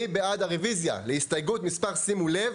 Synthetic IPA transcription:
ibead̪aʁevizja̰lehist̪ajɡut̪mispaʁsimulev

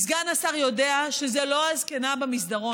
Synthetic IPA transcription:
zɡanasaʁjo̞deaʃezelo̞azkenabamisdaʁo̞

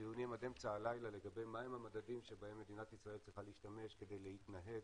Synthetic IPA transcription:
iunimad̪emt͡saːlajlale̞ɡabejmaemhamad̪adimʃebahe̞mːe̞d̪inatisʁaelt͡sʁiχalehiʃtame̞ʃke̞d̪ejlehitnaɦe̞ɡ

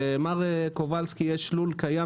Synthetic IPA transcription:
emaʁekovalskijeʃlulkaja

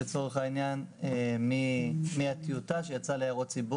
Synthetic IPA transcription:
et͡so̞ʁeχainjanemimiat̪iutaʃejat͡saleaʁott͡sibu

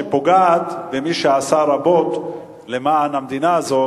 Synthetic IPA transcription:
epoɡaːt̪vemiʃeasaɾabo̞t̪ | le̞maːnamd̪inaːzo̞

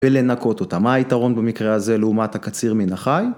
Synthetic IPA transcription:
vele̞nako̞t̪o̞t̪amaːitaʁo̞nbamikʁeaze̞leumathakat͡siʁminaχaj

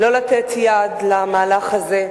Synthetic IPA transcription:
lo̞lat̪et̪jad̪lamaːlaχaze

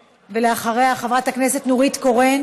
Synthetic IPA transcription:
veleaχaʁejaχavʁathakne̞set̪nuʁitko̞ʁen

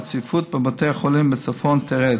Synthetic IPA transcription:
t͡sifut̪̚bɪboteχɔlimbɪt͡sɔfɔntʰɛʁɛ

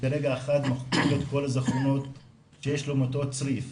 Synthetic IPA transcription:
eɾeɡaeχat̪maχkivet̪ko̞lazaχono̞t̪ | ʃejeʃlomoto̞t͡sʁif

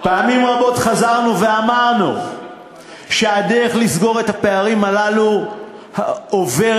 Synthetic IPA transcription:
paːmimʁabo̞tχazaʁnuve̞amaʁnu | ʃeadeʁeχlisɡo̞ʁethape̞aʁimalalu | haove̞

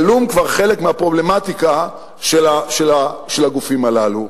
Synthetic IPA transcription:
lumkvaʁχe̞lekmeapʁo̞ble̞mat̪ika | ʃelaʃelaʃelhaɡufimalalu

